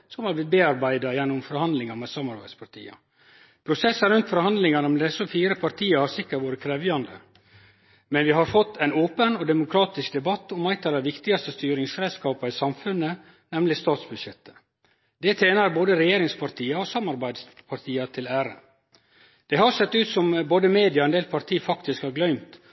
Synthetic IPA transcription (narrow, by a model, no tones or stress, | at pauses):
sɔmhɑɾblɪt̪̚beːɑɾbæɪd̪ɑjɛnːʊmfɔɾhɑnd̪lɪŋɑmɛsɑmːɑɾbæɪd̪spʰɑʈʰḭːɑ̰ | pʰɾʊsɛsːɑɾʉnt̪fɔɾhɑnd̪lɪŋɑnəmɛd̪ɛsɔfiːɾəpʰɑɾt̪ʰiːɑhɑɾsɪkːəʈʋoːɾəkʰɾɛːʋjɑnd̪ə̰ | mɛnʋɪɦɑɾfɔt̪ːæɪnoːpənɔd̪ɛmʊkʰɾɑːt̪ɪsk̚d̪ɛbɑt̪ːɔmæɪt̪ʰɑɾɑʋɪkt̪ɪɡɑst̪əst̪yːɾɪŋsɾeːskɑːpɑɪsɑmfʉnə | nɛmlɪst̪ɑːt̪sbʉd̪ʃɛt̪ʰːə̥ | d̪̥ɛt̪ʰeːnɑɾboːd̪əɾɛjeːɾɪŋspʰɑɾʈ̪ʰiːɑoːsɑmɑɾbæɪd̪spʰɑɾt̪ʰiːɑt̪ʰɪlæːɾə̰ | d̪̥ɛhɑɾsɛt̪ːʉːt̪sɔmboːd̪əmeːd̪ɪɑɛnd̪eːlpʰɑɾʈ̪ʰiːfɑkt̪ɪskhɑɾɡlœʏmt̪